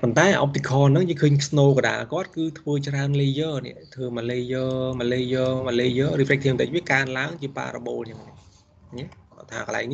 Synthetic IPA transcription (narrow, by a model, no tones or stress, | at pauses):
pont̪aɛʔop̚t̪ʰikʰɑːnɨŋjəːŋkʰəːɲsnoːkə̆ɗa̰ːlkŏət̪̚kɨːt̪ʰʋəːt͡ɕraənliːjəːnɛ̰̆əʔt̪ʰʋəːmaleːjəːmaːleːjəːmaːleːjəːrɨːpʰrɛk̚t̪ʰiəmt̪əc̚ʋiəkaənlaəŋt͡ɕiəpa̰ːroɓoːlɲɨəŋa | ɲɛt̪ʰa̰ːkə̆la̰ɛkŋni